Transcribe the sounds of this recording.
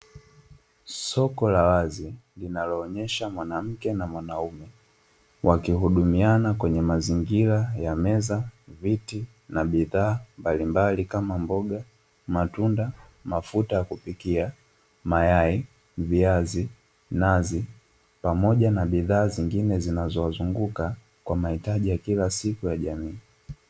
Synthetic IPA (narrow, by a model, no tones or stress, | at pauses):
sɔkɔlawazilinalɔːɲɛʃamwanam̩kɛnamwanaumɛ | wʔakihuɗumianakwɛɲɛmaziŋɡilajamɛzaviti | naɓiðaːmbalimbalikamambɔɡa | matunda | mafutajakupikia | majai | viazi | nazi | pamɔʄanaɓiðaːziŋɡinɛzinazɔwazuŋɡuka | kwamahitaʄijakilasikujaʄamiː